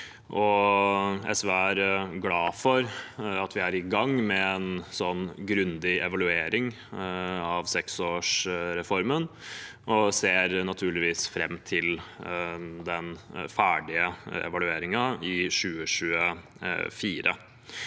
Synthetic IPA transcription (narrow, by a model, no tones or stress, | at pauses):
ʔɔ | ɛ̰sʋeæɾɡlɑːfɔɾɑt̪ʋɪæɾɪɡɑŋːmɛɛnsɔnːɡɾʉnd̪ɪɛʋɑlʉeːɾɪŋ | ɑʋsɛksoːʂɾɛfɔɾmən | ʔɔseːɾnɑt̪ʰʉːɭɪʋiːsfɾɛmːt̪ʰɪl | d̪ɛnfæːɖɪəɛ̰ʋɑlʉeːɾɪŋɑɪɕʉːəɕʉːə | fiːɾʔə̰